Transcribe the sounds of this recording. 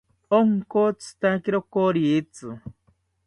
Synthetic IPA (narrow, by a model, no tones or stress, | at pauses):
oŋkot͡sʰɨ̥t̪akiɾokoɾiːt͡sɨ